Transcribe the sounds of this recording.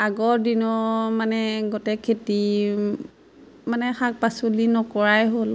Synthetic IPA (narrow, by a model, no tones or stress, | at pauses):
aɡɔɹdinɔmanɛɡɔtɛkʰːeti | manɛxak̚pasolinɔkɔɹajɦol